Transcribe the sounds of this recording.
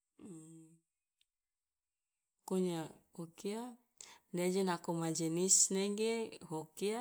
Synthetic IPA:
koɲaokia | dad͡ʒenakomad͡ʒenisneɡeɦokia

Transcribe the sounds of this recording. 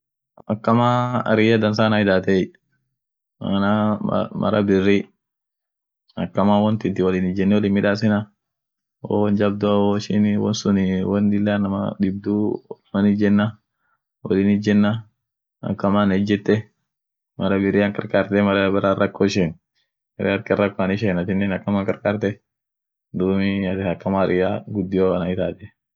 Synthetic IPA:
ɐkːɐmaːɐ̰ɾɪjɐd̪ɐns̬aːnaɪd̪aːt̪eː | ɐ̰na̰mɐ̰ɾɐbɪrːi | ɐkːɐmaːwɔnt̪ɪnt̪ɪwɐlɪnɪd͡ʒɛnːɛwɔlɪnmɪᶑaːs̬ɪnɐ | ɔ̰wɔnd͡ʒɐb̚d̪ʊɐoɪʃɪnwɔ̰nsʊnɪwɔnd̪ɪlːaːnɐmɐ̰d̪ɪb̚d̪umɐnɪd͡ʒɛnːɐ | wɐlinɪd͡ʒɛnːɐ | ɐ̰kːɐmaːnɛd͡ʒːɛt̪ːɛ | mɐɾɐbɪɾɪɐŋkɐɾkaːɾt̪ɛmɐɾɐbɛɾarɐkːoːɪʃeːn | mɛɾḛːɐɾkɪɐrːɐkːoanɪʃ̬eːnɐtɪnːeːnɐkːɐmaːŋkɐɾkaːɾt̪ɛ | d̪uːmɪɐtɐkːɐmaːɾʔɪjaːɡʊd̪ːɪjoːɐnɐɪt̪aːt̪ɛ

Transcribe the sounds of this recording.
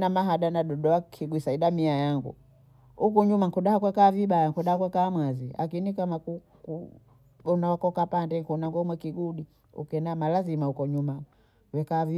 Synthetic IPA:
namaɦaɗanaɗɔɗɔakʰiɡwisaiɗamiajaŋɡṵ | hukuɲumaŋkuɗahakwɛkaːviɓajaŋkuɗahakwɛkaːmwaziʔa̰kinikamaku | ku | ɓɔnawakɔkapandɛŋkunaŋɡɔmwɛkiɡuɗi | ṵkɛnamalazimahukɔɲuma | wɛkavi

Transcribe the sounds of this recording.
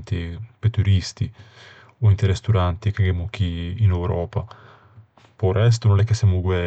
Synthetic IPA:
nt̪ipet̪ːuɾist̪i | oint̪eɾɛst̪uɾant̪ikaɡɛmok̟iːnɛwɾɔːpa | pɔrɛs̬t̪unonɛkːesːjamuɡwɛ

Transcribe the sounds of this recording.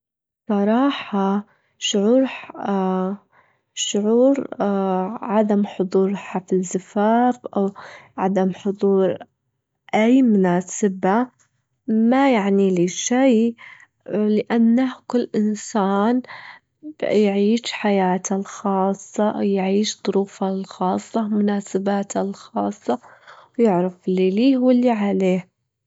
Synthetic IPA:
sˤɑɾˤɑːħa | ʃʊʕuːɾ | ʃʊʕuːɾ | ʕad̪amħʊd̪ˤuːɾˤħafɪzɪfaːfʔawʕad̪amħʊd̪ˤuːɾ | ʔajmʊnaːsɪba | majaʕniliʃaj | lɪʔanːahkʊlːʔɪnsaːn | b̥jʕiːʃħajaːt̪ʰalxɑːsˤːɑʔwjʕiːʃd̪ˤʊɾuːfalxɑːsˤːɑmʊnaːsabaːt̪ʰalxɑːsˤːɑwjɪʕɾafɪlːiliːwɪlːiʕaleːh

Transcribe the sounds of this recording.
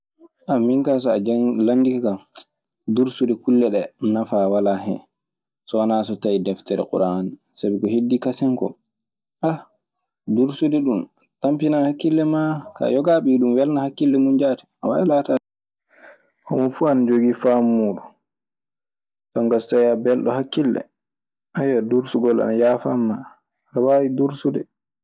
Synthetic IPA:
ʔamiŋkas̬ɔad͡ʒlandikakam | duɾsudɛkulːɛɗɛnafawalaɦɛ̰ | sɔnasɔtajidɛftɛɾɛ̰kṵɾani | sabɛkɔhedːikasɛŋkɔ̰ | ʔa | duɾsudɛɗum | tampinahakːilːɛmaka̰jɔɡaɓiɗumwɛlnahakːilːɛmund͡ʒaːtɛ̥awaɛlataɛ | ʔɔmɔfuanad͡ʒoɡifamːuːɗu | tɔŋɡastajabɛlɗɔhakːilːɛ̰ | ʔajaduɾsuɡɔlʔa̰najaːfamːa | anawawiduɾsudɛ

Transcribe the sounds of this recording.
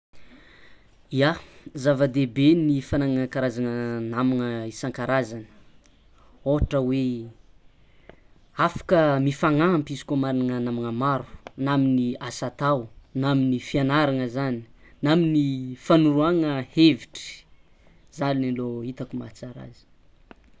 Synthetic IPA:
iazavəd̪ebenifanaŋaakaɾazanənamiŋəisaŋkaɾazanə̥ | oʈ͡ʂəwe | afḁkəmifaŋampizi̥komaɾaŋənamiŋəmaɾu̥naminiasat̪awnaminifianaɾaŋəzani̥naminifanuɾuaŋəheviʈ͡ʂi̥ | zaninaloit̪akuma̰t͡saɾa̰zi̥

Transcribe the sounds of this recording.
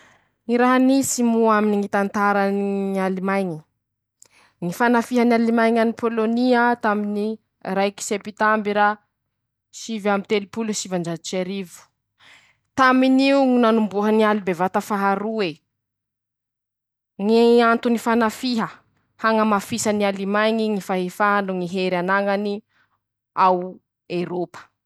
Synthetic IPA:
ŋiɾaɦanisimuaminiŋit̪ant̪aɾənialimajɲi | ŋifanafiɦənalimajɲanipʰoloniat̪amini | rajki̥sepit̪ambiɾa | ʃivamit̪elipuluʃivaɳd͡ʒat͡ʃaɾivu̥ | t̪aminiuŋinanumbuɦənialibevat̪afaɦaɾue | ŋeant̪unifanafiɦə | haŋəmafisanialimajŋiŋifaɦefaanuŋiɦeɾanaŋani | aw | eɾopə̥

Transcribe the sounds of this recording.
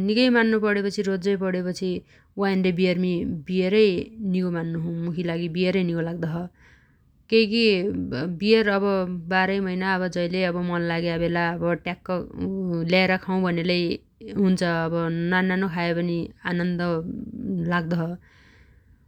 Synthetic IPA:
nikʌjmanːupʌɽepʌt͡sʰiɾod͡zʌjpʌɽepʌt͡sʰi | wainlebijʌrmibieɾʌjnikomanːuɦũmukʰilaɡibieɾʌjnikolaɡd̪ʌɦʌ | kʌjki | bierʌbʌbaɾʌjmʌjnaʌβʌd͡zʌjleʌbʌmʌnlaɡabelaʌbʌʈjakːʌljaeɾʌkʰaw̃bʱʌnelʌj | ɦunt͡sʰʌːbʌnanːanokʰaepʌnianʌnd̪ʌ | laɡ̚d̪ʌɦʌ

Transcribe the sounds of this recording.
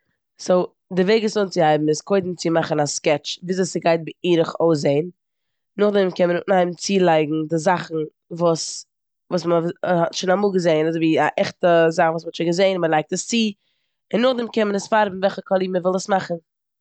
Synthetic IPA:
soʊ | dɪveɪɡəsʊnt͡sɪhaɪbm̩ɪskʰoɪdn̩t͡sɪmaχn̩askɛt͡ʃviːzasɪɡaɪt̚bɪiːɾəχoʊs̬eɪn | nʊχdɛmkɛnmənʊnaɪm̩t͡siːlˠaɪɡŋ̩dɪzaχn̩ | vuːs | vuːsmhɔtʃonamuːlˠɡəzeɪnazoɪviːaʔɛχtəzaχn̩vuːsmɔtʃɪɡəzeɪnməlˠaɪk̚təst͡siː | ɪnːʊχdɛmkɛnmənəsfaɾbm̩vɛlˠχəkʰɔlˠiːməvɪlˠəsmaχn̩

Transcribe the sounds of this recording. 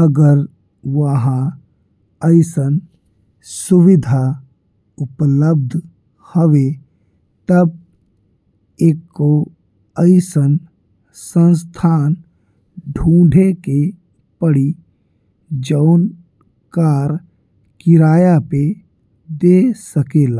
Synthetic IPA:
əɡəɾ | ʋəɦã | əɪsən | sʊʋɪd̪ʱa | ʊpləb̚d̪ʱ | həʋe | t̪ɐb̚ | eːkːo | əɪsən | sə̃ns̬t̪ʰaːn | ɖʱũːɖʱeke | pəɽi | d͡ʒəʊn | kaːɾ | kɪɾaːjape | d̪esəkeːlaː

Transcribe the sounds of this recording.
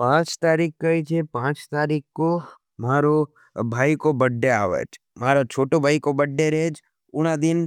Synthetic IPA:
pãːt͡ʃt̪aːɾikkəit͡ʃʰepãːt͡ʃt̪aːɾikko | maːɾo | bʱaːikobəɖːea̰ːʋḛt͡ʃ | maːɾat͡ʃʰoːʈobʱaːikobəɖːeɾeːd͡ʒ | ʊnad̪ɪn

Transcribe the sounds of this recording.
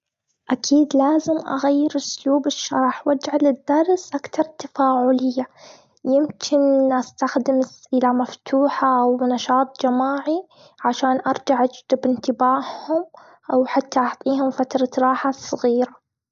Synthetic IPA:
ʔakʰiːd̪laːzɪmʔa̰ɣajːɪɾʊsluːbɪʃːɑɾˤħwad͡ʒʕalɪd̪ːɑɾˤsʔakt̪ɑɾˤt̪afaːʕʊlɪjːa | jɪmkʰɪnʔast̪axd̪ɪmɪsʔɪlamaft̪ʰuːħaʔwnɑʃɑːt̪ˤd͡ʒamaːʕi | ʕaʃaːnʔɑɾˤd͡ʒaʕʔad͡ʒd̪ɪbɪnt̪ɪbaːhhʊm | ʔawħat̪ːaʔɑʕt̪ˤiːhʊmfat̪ɾˤɑɾˤɑːħasˤɨɣiːɾa

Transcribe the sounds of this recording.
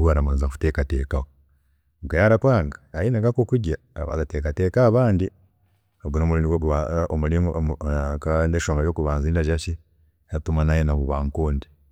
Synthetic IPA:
ɡaɾamanzaku̥tekatḛːkaho | ŋɡajaɾakwaːŋɡaːjinaɡakokuɟa̰ | βa̰zateːkatekaːβaːndi | oɡunoːmuliːniɡouβaomuli | kandeʃoːŋɡajoːkuβaːnziːndaʒaʃi | atumanajenaβuβaːŋkoːndi

